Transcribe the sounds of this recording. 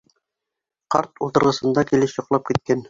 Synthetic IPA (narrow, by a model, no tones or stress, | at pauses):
qɑɾt̪ulˠt̪ɤ̆ɾʁɤ̆sɤ̆nd̪ɑkilɘʃjŏqlˠɑp̚kit̪̚kæn